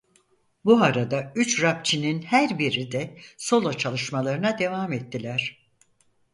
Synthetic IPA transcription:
buaɾad̪ayt͡ʃɾap̚t͡ʃʰininhæɾbiɾid̪ɛso̞lˠot͡ʃʰalˠɯʃmalˠaɾɯnad̪e̞vaːmɛt̪ʰːilʲæɾ̝̥

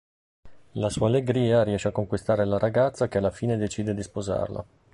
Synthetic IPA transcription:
lasuːaːlːeɡɾiːaɾiɛʃːeakːoŋkwist̪aːɾelaɾaɡat̪sːakealːafiːned̪et͡ʃiːd̪ed̪ispoza̰rla̰

